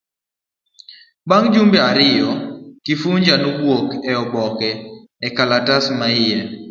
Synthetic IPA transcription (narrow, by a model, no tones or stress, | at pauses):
baŋd͡ʒumbɛaɾɪjɔkifuɲd͡ʒanɡwokɛɔbɔkɛː | kalatasmaɪjɛ